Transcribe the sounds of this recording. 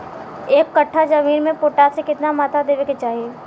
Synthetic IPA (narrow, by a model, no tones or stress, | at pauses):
eːkːɐʈʰːad͡ʒɐmiːnmẽpoːʈaːtsekɪt̪namaːt̪ʰad̪eːʋeket͡ʃaːɦieː